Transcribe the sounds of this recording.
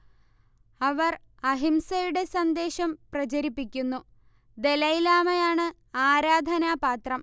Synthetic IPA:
ɐʋɐr | ɐɦimsɐjuɽe̞sɐnd̪e̞ːɕɐmprɐt͡ɕɐɾipːikʲːunːu | d̪e̞lɐjilaːmɐjaːɳɨ | aːɾaːd̪ʱɐnaːpaːt̪rɐm

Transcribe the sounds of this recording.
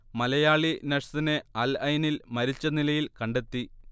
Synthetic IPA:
mɐlɐjaːɭinɐʂɐ̥st̪ineɐlɐjnilmɐɾit͡ɕːɐnilɐjilkɐɳɖe̞t̪ːi

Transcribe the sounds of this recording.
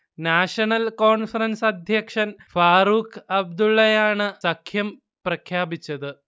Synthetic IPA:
naːʂɐnɐlko̞ːɳfɐɾɐnsɐd̪ʱjɐkʂɐnfaːɾuːkʰɐb̚d̪uɭːɐjaːɳɨsɐkʰjɐm | prɐkʰjaːbit͡ɕːɐðɨ

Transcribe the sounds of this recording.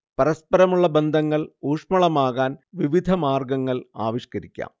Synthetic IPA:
pɐɾɐspɐɾɐmuɭːɐbe̞nd̪ʱɐŋːɐɭuːʂmɐɭɐmaːɣaːnʋiʋid̪ʱɐmaːrɡɐŋːɐɭa̰ːʋiɕkɐɾikʲːa̰ːm

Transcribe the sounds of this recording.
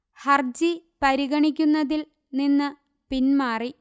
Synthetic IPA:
hɐrd͡ʑipɐɾiɣɐɳikʲːunːɐðil | ninːɨ | pinmaːri

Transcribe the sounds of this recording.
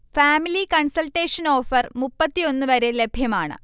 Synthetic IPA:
faːmilikɐɳsɐlʈːeːʂɐno̞ːfɐrmupːɐt̪ːio̞nːɨʋɐɾe̞le̞bʱjɐmaːɳɨ̰

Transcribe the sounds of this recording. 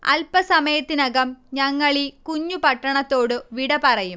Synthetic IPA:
ɐ̰lpɐsɐmɐjɐt̪ːinɐɡɐmɲɐŋːɐɭikuɲːupɐʈːɐɳɐt̪ːo̞ːɽɨʋiɽɐpɐrɐjum

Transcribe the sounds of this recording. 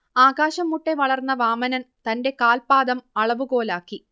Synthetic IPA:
aːɡaːɕɐmːuʈːe̞ʋɐɭɐrnːɐʋaːmɐnɐnt̪ɐnde̞kaːlpaːd̪ɐmɐɭɐʋuɣo̞ːlaːkːi

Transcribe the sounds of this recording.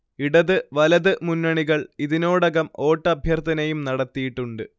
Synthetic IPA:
iɽɐðɨʋɐlɐðɨmunːɐɳiɣɐɭiðino̞ːɽɐɣɐmo̞ːʈːɐbʱjɐrt̪ʰɐnɐjumnɐɽɐt̪ːijiʈːuɳɖɨ

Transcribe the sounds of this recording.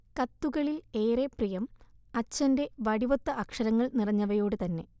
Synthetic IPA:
kɐt̪ːuɣɐɭile̞ːreprijɐmɐt͡ɕːɐnde̞ʋɐɽiʋɐt̪ːɐʔɐkʂɐɾɐŋːɐɭnirɐɲːɐʋɐjo̞ːɽɨt̪ɐnːe̞

